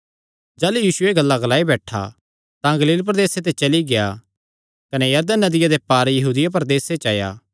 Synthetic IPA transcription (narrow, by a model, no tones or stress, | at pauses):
d͡ʒaːlujiːʃʊeɡɐlːaɡɐlaːibɛːʈʰa̰ | t̪ãɡɐliːlp̬ɾɐd̪eːset̪et͡ʃɐliɡeja̰ | kɐnejɐɾd̪ənːɐd̪ɪjad̪epaːɾjɐɦuːd̪ɪjap̬ɐɾd̪eːset͡ʃa̰ːja̰ː